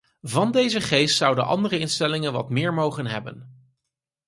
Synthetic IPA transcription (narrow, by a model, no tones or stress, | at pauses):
vɑndejzəχejstsʌwdəʔɑ̰ndərəɪnstɛlɪŋənʋɑ̰tmɪːɹmowχənɦɛbə̰n